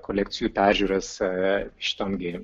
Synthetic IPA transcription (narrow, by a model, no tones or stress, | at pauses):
koːlʲɛk̚t̪sʲɪjuːpʲæːɾʲʒʲuːɾɐsʃʲɪ̥t̪ɐnɡʲɪ